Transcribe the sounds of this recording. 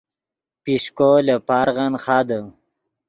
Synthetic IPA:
piʂkolepaːɾʁanχaːd̪ə

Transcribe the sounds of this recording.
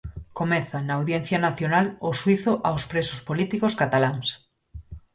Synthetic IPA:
komɛθanɐːwðjen̟θjanaθjonaloswiθʊʔawspɾesʊspolit̪ikoskat̪alaŋs

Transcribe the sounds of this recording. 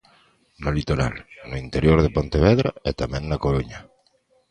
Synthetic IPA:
nolit̪oɾa̰lnʊint̪eɾjoɾð̞epont̪eβɛðɾaet̪amɛ̃ŋnakoɾuɲa

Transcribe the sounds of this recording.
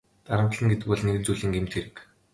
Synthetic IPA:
t̪aɾə̆mt̪ə̆ɮə̆ŋɡet̪ɘ̆k̚pɔɮneɣɘ̆nt͡suɮĭːŋɡemt̪ʰxeɾɘ̆k

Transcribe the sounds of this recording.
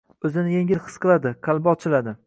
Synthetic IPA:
ɵzɪnɪjeŋʲɪlχɨ̥sqɨlˠad̪ɪqʰɑlˠbɒt͡ʃʰɪlad̪ɪ

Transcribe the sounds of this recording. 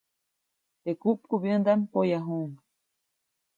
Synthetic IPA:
t̪ekuʔp̚kuβjənd̪ampojaɦum

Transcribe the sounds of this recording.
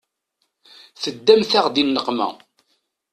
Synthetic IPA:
θəd̪ːæmθæʁd̪inːəqmæ̰

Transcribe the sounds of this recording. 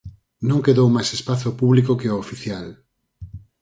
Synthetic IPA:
nõŋkeðowmajsespaθopuβlikokeoːfiθjal

